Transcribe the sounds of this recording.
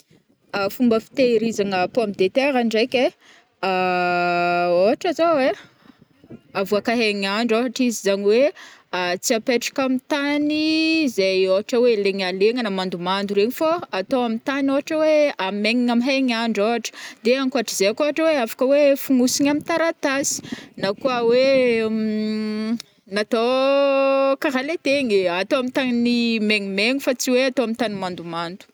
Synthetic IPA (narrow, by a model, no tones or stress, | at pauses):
afumbəfi̥t̪eɾizaŋapoamid̪et̪eɾaɳɖ͡ʐajkʲe | a | oɦaʈ͡ʂazawe | avuakaɦeŋaɳɖ͡ʐaɦaʈ͡ʂizizaɲiweat͡siapeʈ͡ʂḁkamit̪anizajoɦaʈ͡ʂəweleŋaleŋanəmand̪umand̪uɾeɲifaːt̪oamit̪anoɦaʈ͡ʂəweameŋiŋamiɦajɲaɳɖ͡ʐoaʈ͡ʂə̥d̪eaŋkuaʈ͡ʂəzeakoaʈ͡ʂəweafḁkəwefuŋusiɲamint̪aɾat̪asi̥nakuəwe | nat̪o | kaɾalet̪eŋat̪oamit̪aɲnimeŋimeŋifat͡siweat̪oamint̪animand̪umand̪u̥